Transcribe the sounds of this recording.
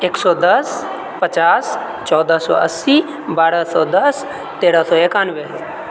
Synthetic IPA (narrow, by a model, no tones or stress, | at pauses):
eːksɔd̪əs | pət͡ʃaːs | t͡ʃɔːd̪əsɔ̰əsːi | baːɽəsɔːd̪ɐs | t̪eːɽəsɔːeːkaːnʋe